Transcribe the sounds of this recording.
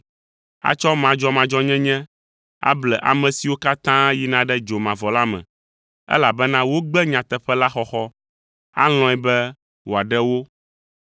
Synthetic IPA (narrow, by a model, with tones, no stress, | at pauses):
a̰˦t͡ʃɔ˦mã˨d͡ʒɔ˦mã˨d͡ʒɔ˦ɲɛ̃˦ɲɛ̃˦ | a̰˦blɛ˨ʔa̰˨mɛ̃˨si˨wo˦ka˦t̪ã˦ji˦nã˨ɖɛ˦d͡ʒo˨mã˨vɔ˨la˦mɛ̰̃˨ | ɛ̰˦la˨bɛ˦nã˦wo˦ɡ͡bɛ˦ɲã˨t̪ɛ˨ɸɛ˦la˦xɔ˦xɔ˦ | a̰˦l̃ɔ̃˦ɛ˨bɛ˦ | wo˨a˨ɖɛ˦wo˦